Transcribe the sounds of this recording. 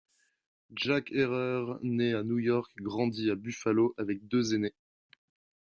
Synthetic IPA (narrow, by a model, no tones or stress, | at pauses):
d͡ʒakʰeʁœʁneanujɔʁkɡʁɑ̃d̪iabyfaloʔavɛk̚d̪øzene